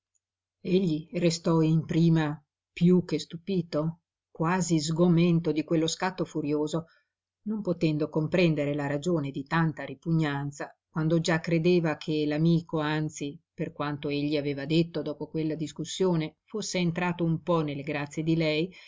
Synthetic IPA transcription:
eʎːirest̪ɔimpɾiːma | pjuk̟ːest̪upiːt̪o | kwaːzizɡoment̪od̪ikwelːoskat̪ːofuɾjoːzo | nompot̪ɛnd̪okompɾɛnd̪eɾelaɾad͡ʒoːned̪it̪ant̪aɾipuɲːant̪sakwand̪od͡ʒakːɾed̪eːvakʰelamiːkoant̪siperkwant̪oeʎːiaveːvad̪et̪ːod̪ɔːpokwelːad̪iskusːjoːnefosːeːnt̪ɾaːt̪oumpɔnelːeɡɾat̪sːjed̪ilɛj

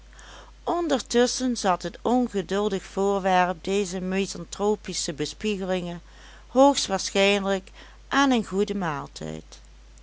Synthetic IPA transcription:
ʔɔndəɹtɵsənzɑtɦətɔnɣədɵlˠdəxfʊːɹʋɛɹp̚dejzəmezɑntroːpisəbəspiɣəlɪŋən | hoːxstʋaːɹsχɛjnlək | ʔaːnənɣudəmaːlˠtʰɛ̰jt

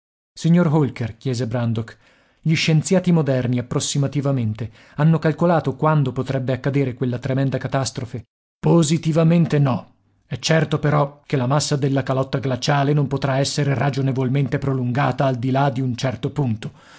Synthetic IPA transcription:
siɲːorɦolkerkjɛːzebɾand̪ok | ʎiʃːent̪sjaːt̪imod̪ɛrniapːɾosːimat̪ivament̪e | anːokalkolaːt̪okwand̪opot̪ɾɛbːeakːad̪eːɾekwelːat̪ɾemɛnd̪akat̪ast̪ɾofe | pozit̪ivament̪enɔ | ɛt͡ʃːɛrt̪opeɾɔkelamasːad̪elːakalɔt̪ːaɡlat͡ʃaːlenompot̪ɾaɛsːeɾerad͡ʒonevolment̪epɾoluŋɡaːt̪aːld̪ilad̪iunt͡ʃɛrt̪opunt̪o̥

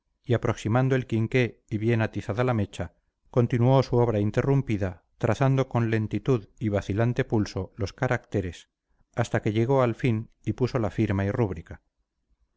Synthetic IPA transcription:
iapɾo̞ksimãnd̪o̞e̞lkiŋke̞iβje̞nat̪iθaðalame̞t͡ʃa | ko̞nt̪inuo̞suo̞β̞ɾaint̪e̞rumpiða | t̪ɾaθand̪o̞ko̞nle̞nt̪it̪uðiβaθilant̪e̞pulso̞lo̞skaɾakt̪e̞ɾe̞s | ast̪ake̞ʎe̞ɣo̞alfin | ipuso̞lafiɾmairuβ̞ɾika

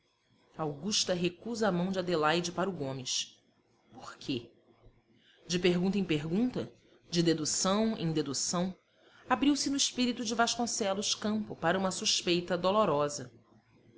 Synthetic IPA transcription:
awɡuʃt̪ɐɦekuzamɐ̃w̃d͡ʒɪad̪elajd͡ʒɪpaɾʊɡõmɪʃ | poχkʰe | d͡ʒɪpeɦɡũnt̪ɐẽpeɦɡũnt̪ɐ̰ | d͡ʒɪd̪ed̪usɐ̃w̃ẽj̃d̪ed̪usɐ̃w̃ | abɾiwsɪnʊiʃpiɾit̪ʊd͡ʒɪvaʃkõsɛlʊʃkɐ̃mpʊpaɾɐũmɐsuʃpejt̪ɐd̪oloɾɔzɐ

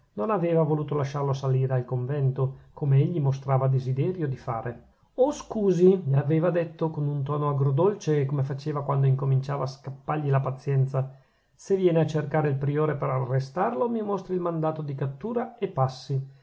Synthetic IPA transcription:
nonaveːvavoluːt̪olaʃːarlosaliːɾealkoɱvɛnt̪okomeeʎːimost̪ɾaːvad̪ezid̪ɛːɾjod̪ifaːɾʔe | oskuːziʎaveːvad̪et̪ːokonunt̪ɔːnoaɡɾod̪olt͡ʃekomefat͡ʃeːvakwand̪oiŋkomint͡ʃaːvaːskapːarʎilapat̪sːjɛnt̪sa | sevːjɛːneat͡ʃerkaːɾeilpɾioːɾepeɾarːest̪arlomimost̪ɾilmand̪aːt̪od̪ikat̪ːuːɾaepːasːi

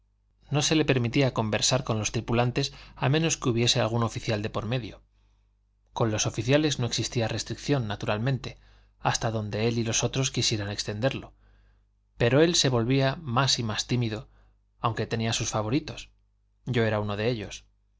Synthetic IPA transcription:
no̞se̞le̞pe̞ɾmit̪iako̞mbe̞ɾsaɾko̞nlo̞st̪ɾipulant̪e̞samẽ̞no̞skeuβje̞se̞a̰lɣ̞uno̞fiθjald̪e̞poɾme̞ðjo̞ | ko̞nlo̞so̞fiθjale̞zno̞e̞ksist̪iare̞st̪ɾikθjo̞nːat̪uɾalmẽ̞nt̪e̞ | ast̪aðo̞nd̪e̞e̞lilo̞so̞t̪ɾo̞skisje̞ɾane̞kst̪e̞nd̪e̞ɾlo̞ | pe̞ɾo̞e̞lse̞βo̞lβiamasimast̪imiðo̞ | awŋke̞t̪e̞niasusfaβo̞ɾit̪o̞s | ɟ͡ʝo̞e̞ɾauno̞ð̞e̞e̞ʎo̞s

